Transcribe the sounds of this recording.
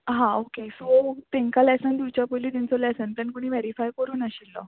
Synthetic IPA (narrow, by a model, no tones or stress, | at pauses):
ɦãokesot̪ẽŋkalɛsənd̪iwt͡ɕjapoliːt̪int͡sɔlɛsənplankoɽ̃iːʋɛɾifajkəɾuːnaɕilːɔ̰